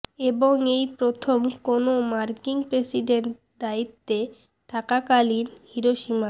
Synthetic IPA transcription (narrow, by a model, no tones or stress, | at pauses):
eboŋejpɾot̪ʰomkonomaɾkiŋpɾesiɖeɳʈ | d̪ait̪ːe | ʈakakalinhiɾoʃima